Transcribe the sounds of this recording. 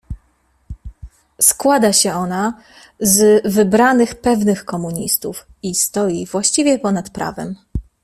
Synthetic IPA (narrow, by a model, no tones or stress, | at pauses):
skwad̪aɕɛɔna | zvɘbɾanɘxpɛvnɘxkɔmuɲist̪uf | ist̪ɔjivwaɕt͡ɕivʲjɛpɔnat̪pɾʔa̰vɛ̰m